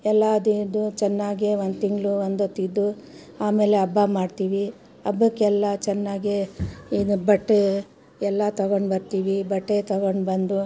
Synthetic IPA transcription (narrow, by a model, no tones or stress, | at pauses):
ɛlːaːd̪id̪ut͡ʃɛnːaːɡeʋond̪t̪iŋɡlɭuʋond̪ot̪ːid̪ːu | aːme̞ːle̞ɐbːamaːɖt̪iːʋi | ɐbːɐkːɛlːɐt͡ʃɛnːaːɡeid̪ubɐʈːe | ɛlːat̪ɐɡoɳbɐɾt̪iːʋibɐʈːet̪ɐɡoɳbɐnd̪u